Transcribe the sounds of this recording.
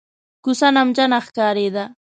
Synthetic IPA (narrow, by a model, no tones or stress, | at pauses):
kʊsanamd͡ʒanɑχkaːɾed̪a